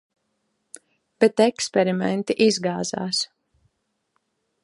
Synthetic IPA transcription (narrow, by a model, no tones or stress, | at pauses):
b̥ɛt̪ɛkspɛɾimɛ̰nt̪iʔizɡaːza̰ːs